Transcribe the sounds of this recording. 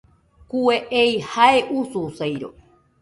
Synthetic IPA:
kueʔejhaeʔususejɾo̰

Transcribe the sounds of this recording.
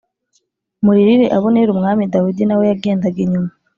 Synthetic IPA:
muɾiɾiɾe̞ʔaβoneɾumŋaːmidawidinawe̞jaɡe̞ːndaɡeɲuma

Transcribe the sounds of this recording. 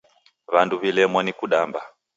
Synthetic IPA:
βanduβilɛmwanikuɗamba

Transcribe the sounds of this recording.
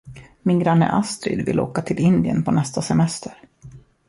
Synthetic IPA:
mɪnɡɾanːə̰ʔast̪ɾɪ̰d̪vɪloːkat̪ʰɪlɪnd̪ɪənpʰɔnɛst̪asɛmɛst̪əɾ

